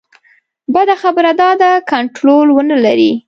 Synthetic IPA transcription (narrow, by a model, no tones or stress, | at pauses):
bəd̪axabəɾad̪ɑd̪akaɳʈɾolwənalaɾi